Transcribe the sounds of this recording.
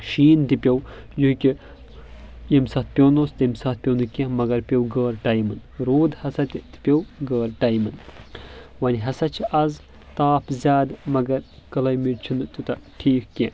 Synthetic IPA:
ʃiːnt̪ipʲɐwjuɦikʲi | jemsɐt̪̚pʲoːnost̪imsɐt̪̚pʲownɨkʲẽmɐɡɐɾpʲɐwɡɐːɾʈɐjmɨnɾoːd̪hɐsɐt̪ʲit̪i̥pʲɐwɡɐːɾʈɐjmɨn | ʋɐnʲiɦɐsɐt͡ʃʰiʔɐz | t̪aːpʰzʲaːd̪mɐɡɐɾ | kɐlɐjmiɾʲt͡ʃʰunɨt̪ut̪ɐʈʰiːkkʲẽ

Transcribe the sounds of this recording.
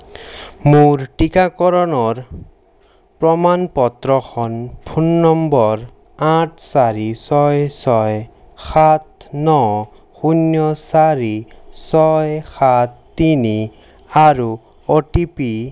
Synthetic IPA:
moɹʈikakɔɾɔnɔɹ | pɹɔmanpɔt̪ɾɔxʰɔnpʰunːɔmbɔɾ | aʈʰsaɾisɔjsɔj | xʰat̪̚nɔ | xunjɔsaɾisɔjxat̪̚ːini | aɾu | ɔʈipi

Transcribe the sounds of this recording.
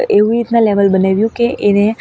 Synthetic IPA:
eʋũɾit̪naleʋəlbənaʋjũkeʔene

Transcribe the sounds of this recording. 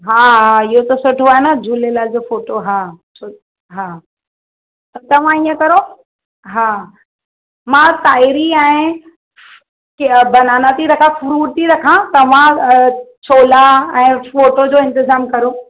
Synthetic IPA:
ɦaːɦaɪɦot̪ɐsʊʈʰoaːɦenɐd͡ʑuːlelaːɪd͡ʑofoːʈoɦaːt͡ɕʰo | ɦaː | t̪ɐt̪ɐʋ̤ãiːə̃kɐɾo | ɦaː | mãːt̪aːiɾiɛ̃ː | kebɐnaːnat̪ʰiɾɐkʰãfʊɾuːɾt̪iɾɐkʰãt̪ɐʋ̤ã | t͡ɕʰoːlaɛ̃ːfoːʈod͡ʑoːɪ̃nt̪ɪzaːmkɐɾo

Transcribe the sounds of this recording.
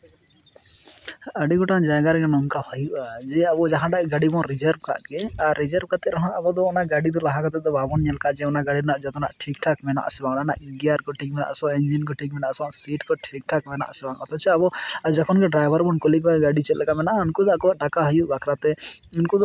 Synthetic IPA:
aɖiɡɔʈad͡ʒaɡaɾɛɡɛnɔnkahɔjuʔad͡ʒɛabɔd͡ʒaɦãʈakɡaɖibɔɾid͡ʒəɾb̚ka̰t̪̚ɡɛaɾːid͡ʒəɾb̚kat̪ɛɾɔɦãʔabɔd̪ɔːnaʔɡaɖid̪ɔlaɦakat̪ɛd̪ɔbabɔnɲɛlkad͡ʒɛɔnaɡaɽiɾnaʔd͡ʒɔt̪ɔnaʔʈʰikʈʰakmɛna̰ʔsɛbaŋnana̰ʔɡiaɾkɔʈʰik̚mɛna̰ʔsɔ̃ɛnd͡ʒinkɔʈʰik̚mɛnaʔsasiʈkɔʈʰik̚ʈʰakmɛna̰ʔsɛbaŋɔt̪ɔt͡ʃʰɛabɔad͡ʒɔkʰɔnkɛɖɾajbʱaɾbɔnkɔlikaɡaɖit͡ʃɛt̪lɛkamɛnaʔunkud̪akɔɖakaɦɔjuʔbakʰɾat̪ɛinkud̪ɔ

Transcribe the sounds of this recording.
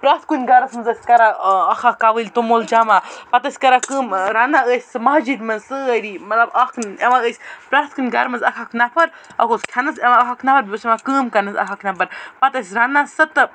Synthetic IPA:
pɾaːt̪̚kunʲɡaɾɐsmɐnzɐsʲkɐɾaɐxʰakaʋɨlʲt̪omold͡ʒaːmapɐt̪ɐsʲkɐɾakəːmɾaːnaəːsʲsɨmaɦd͡ʒid̪ʲmɐnzsɨɐɾimɐt̪lɐbakʰneʋaəːsʲpɾaːt̪̚kunʲɡaɾmɐnzɐkʰakʰnɐpʰɐɾɐkoskʲʰjanɐseʋaɐɦakʰnapʰɐɾbʲosemakəːmkɐnɐzɐ̰kʰakʰnɐpɐɾpɐt̪ɐsʲɾanasɐt̪ɨ

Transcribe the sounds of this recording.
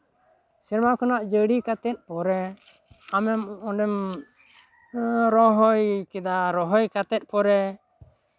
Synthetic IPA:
siɾmakɔnaʔd͡ʒəɽikat̪ɛt̪̚ˀpɔɾɛ | amɛmɔɖɛm | ɾɔɦɔjkɛd̪aɾɔɦɔjkat̪ɛt̪̚ˀpɔɾɛ

